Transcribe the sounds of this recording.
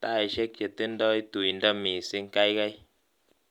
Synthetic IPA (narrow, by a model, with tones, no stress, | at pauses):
t̪a˦˨i˨ʃe˦kjə˨t̪i˦n˦dɔ˦i˦t̪u˨i˨nda˦mi˨si˦ŋ˦ka˦jɣa˦j